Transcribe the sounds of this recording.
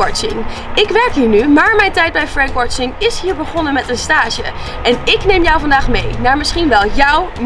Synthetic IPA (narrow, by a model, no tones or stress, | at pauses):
ɑt͡ʃɪŋɪkʋɛɹkɦiːɹnymaːɹmɛjntɛjt̚bɛjfɹɛŋkwɑɹt͡ʃɪŋɪsɦiːɹbəχɔnəmɛtənstaːʃə̰ | ʔɛnɪknejmjɔwvɑndaːχmejnaːɹmɪsχinʋɛlˠjʌwm